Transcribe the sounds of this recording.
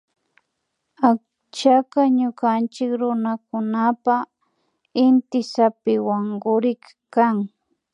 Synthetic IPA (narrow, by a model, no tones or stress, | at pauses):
ak̚ | t͡ʃakaɲʊkant͡ʃɪkɾʊnakʊnapa | ɪnt̪ɪsapɪwaŋɡʊɾɪk | kaŋ